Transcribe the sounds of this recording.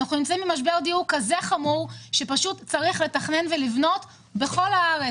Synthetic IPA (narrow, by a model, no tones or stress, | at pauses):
aχnunimt͡saĩmːimaʃ̬beʁd̪iukazeχamuʁʃepaʃutt͡saʁiχle̞taχne̞nve̞livno̞t | be̞χo̞laaʁe